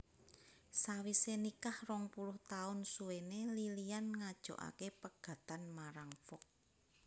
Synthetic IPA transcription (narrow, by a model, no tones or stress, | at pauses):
sawisenikahrɔŋpulʊht̪aʊnsulenelilianŋad̥ʒ̥o̤̰ʔa̰kepəɡ̥a̤t̪anmaɾaŋfɔk̚